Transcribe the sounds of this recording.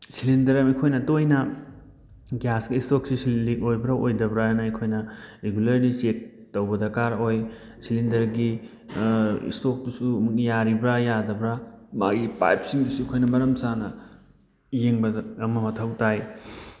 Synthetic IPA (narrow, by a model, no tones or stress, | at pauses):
silindɐɾɐmekʰojnɐtojnɐ | ɡjasɡiistoksisulikojbɾaojdɐbɾanɐekʰojnɐɾeɡulɐɾdit͡ʃek̚ | tɐwbɐdɐkaɾoj | silindɐɾɡi | ḭstok̚dusujaɾibɾajadɐbɾamaɡipa̰jp̚siŋdusuikʰojnɐmɐɾɐmsanɐ | jeŋbɐɐmɐmɐtʰɐwtaj